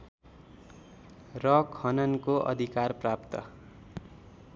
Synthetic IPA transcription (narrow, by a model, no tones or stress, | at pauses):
rʌkʰhʌnʌnkoʔʌ̰d̪ʱikarprapt̪ʌ̰